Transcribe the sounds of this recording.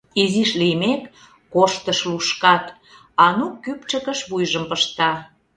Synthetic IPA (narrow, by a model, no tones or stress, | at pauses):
iziʃlijmekː | oʃt̪əʃluʃkɑt̪ | ɑnukːyp̚t͡ʃə̆kəʃβujʒəmpəʃt̪ɑ